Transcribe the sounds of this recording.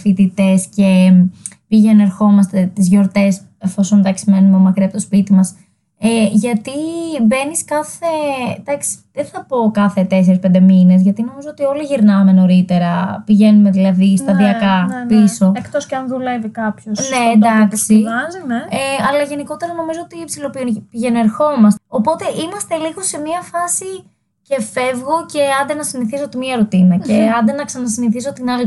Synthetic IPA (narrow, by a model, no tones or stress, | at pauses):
fit̪it̪e̞sce̞ | piʝenue̞ɾxo̞mɐst̪e̞t̪izʝo̞ɾt̪e̞s | efo̞so̞nd̪ɐksime̞numeomɐkɾiɐpt̪ospit̪imɐs | eʝɐt̪ibe̞niskɐθe̞d̪ɐksi̥ðeθɐpo̞kɐθe̞t̪e̞s̬eɾispend̪e̞mine̞zʝɐt̪ino̞mizo̞ot̪io̞liʝiɾnɐme̞no̞ɾit̪e̞ɾɐpiʝe̞nume̞ðilɐðist̪ɐðiɐkɐpiso̞ekt̪oscɐnðule̞vikɐpçosne̞ndd̪ɐksizneeɐlɐʝe̞niko̞t̪e̞ɾɐno̞mizoot̪ipsilo̞piunpiʝe̞noe̞ɾxo̞mɐso̞po̞t̪e̞ʔimɐst̪e̞liɣo̞se̞miɐfɐsi | ce̞fe̞vɣo̞ce̞ɐnd̪enɐsiniθisot̪imiɐɾot̪inɐce̞ɐnd̪enɐksɐnɐsiniθis̬o̞t̪inɐli